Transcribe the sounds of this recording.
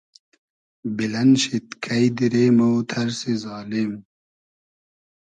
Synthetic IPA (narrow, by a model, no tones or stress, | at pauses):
bilɐnɕit̪kʰɐjd̪iɾeːmowt̪ʰɐɾsizɑːlim